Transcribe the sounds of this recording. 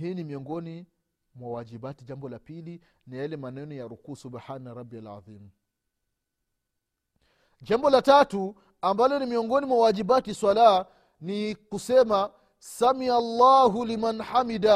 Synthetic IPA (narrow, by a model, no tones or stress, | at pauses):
hiːnimiɔŋɡɔni | mwawad͡ʒibatid͡ʒambɔlapili | najalɛmanɛnɔjaɾukuːsubħanaɾɑbːialʕa̰ðiːm | d͡ʒambɔlatatu | ambalɔnimiɔŋɡɔnimwawad͡ʒibatiswalaa | nikusɛma | samialːaːɦulimanħamida